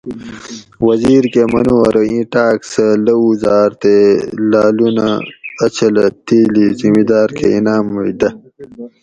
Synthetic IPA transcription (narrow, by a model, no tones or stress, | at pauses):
wɐziːɾkemɐnuwɐɾoĩʈaːksɐlɐuzaːɾt̪elaːlunaɐt͡ɕʰɐlɐt̪iːlizimid̪aːɾkʰḛinaːmːuid̪ɐ